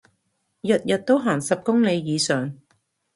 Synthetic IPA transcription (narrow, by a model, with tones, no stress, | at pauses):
jɐ˨t̚jɐ˨t̚t̪o˥wɦaː˨˩ŋsɐ˨p̚kʊ˥ŋle˨˧jjiː˨˧sœː˨ŋ